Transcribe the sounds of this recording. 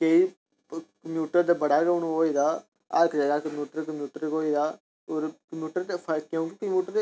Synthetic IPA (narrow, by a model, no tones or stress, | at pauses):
keiː | kəmjuːʈəɾd̪aːbəɽaːɡəʊnũːɦoːiːd̪aː | əkʰd͡ʒəɡaːkəmjuːʈəɾkəmjuːʈəɾɡoːiːd̪aː | oːɾkəmjuːʈəɾpʰəkjõːk̬ikəmjuːʈəɾ